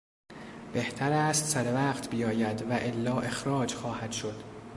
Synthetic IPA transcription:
b̥e̞ht̪ʰæɾæːst̪sæɾevæːqt̪ʰbijɒːjæd̪væʔelːɒːʔe̞xɾɒːd͡ʒxɒːhæd̪̥ʃo̞d̪̥

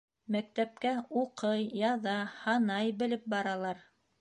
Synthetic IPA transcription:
mæk̚t̪æp̚kæuqɤjːɑðɑhɑnɑjbɘ̆lɘp̚bɑɾɑlˠɑɾ

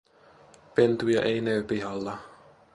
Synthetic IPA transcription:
pe̞nt̪ujɑ̰ʔejneːpiɦɑlːɑ

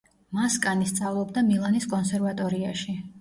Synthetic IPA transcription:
maskʼanist̪sʼavlˠɔbd̪amilˠaniskʼɔnsɛɾvat̪ʼɔɾiaʃi

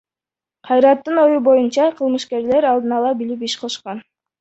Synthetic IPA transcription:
qʰɑjɾɑt̪ːɯno̞jubo̞junt͡ʃɑqʰɯlˠmɯʃke̞ɾle̞ɾɑlˠd̪ɯnɑlˠɑbilip̬iʃqʰɑʃqɑn

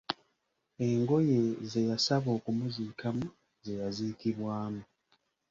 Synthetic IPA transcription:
e̞ŋɡo̞je̞ze̞jasaβo̞ːkumuziːkʰamu | ze̞jaziːkiβwaːmu

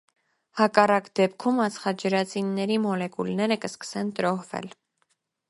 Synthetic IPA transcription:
hɑkɑrɑkd̪ɛpkʰumɑt͡sʰχɑd͡ʒəɾɑt͡sinːɛɾimɔlɛkulnɛɾəkəskə̥sɛnt̪əɾɔhvɛ̰l

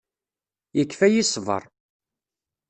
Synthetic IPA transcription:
jəkːfæjisˤvə̰ɾˤ

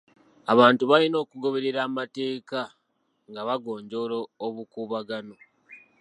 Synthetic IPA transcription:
aβaːntuβalino̞ːkuɡo̞βe̞ɾe̞ɾaːmate̞ːka | ŋɡaβaɡo̞ːɲɟo̞ːloːβukuːβaɡano̞

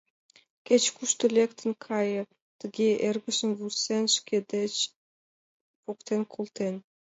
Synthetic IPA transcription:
kʲet͡ɕkuʃt̪ə̆lʲekt̪ə̆nkʰɑjə̆ | t̪ə̆ɡʲeʔerɣə̆ʃə̆nβusenʃkʲed̪et͡ɕ | pokt̪enkʰolˠt̪en

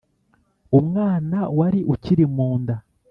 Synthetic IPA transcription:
umŋaːnawaɾiʔuciɾimuːnda

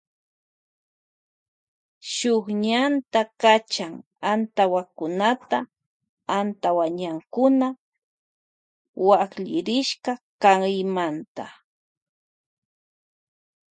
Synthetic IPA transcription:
ʃokɲant̪akat͡ʃaŋ | ant̪awakʊnat̪a | ant̪awaɲaŋkʊna | wakʎɪɾɪʃkakaŋɪmant̪a̰

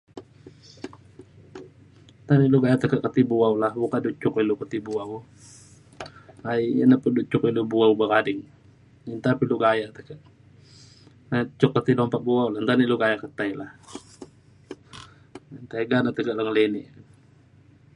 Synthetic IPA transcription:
t̪aniʔluɡajaʔt̪əkəʔkət̪ibuawlahbukadut͡ʃʊkilukət̪ibuaw | aiənəpədut͡ʃʊkilubuawbəkadɪŋ | int̪apiluɡajaʔt̪əkəʔ | at͡ʃːʊkːət̪ilɔmpaʔ̚buawlant̪aniʔluɡajaʔkət̪ajlah | nt̪aiɡanat̪əkəʔlaŋəleniʔn

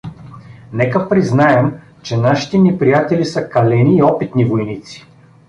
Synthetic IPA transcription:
nɛkəpɾiznaɛm | t͡ʃɛnaʃi̥t̪ɛnɛpɾijat̪ɛlisəkɐlɛniːɔpit̪nivojnit̪si̥

